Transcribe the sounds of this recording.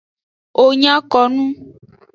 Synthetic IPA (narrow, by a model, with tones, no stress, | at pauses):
o˨ɲã˦kɔ˨nũ˦